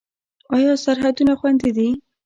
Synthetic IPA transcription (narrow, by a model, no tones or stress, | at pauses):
ɑjɑsaɾɦad̪unaxwand̪id̪i